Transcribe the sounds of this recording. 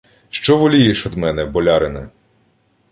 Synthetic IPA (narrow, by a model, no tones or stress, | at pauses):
ʃt͡ʃɔʋɔlʲijɛʃɔd̪mɛnɛbɔlʲɑɾɪnɛ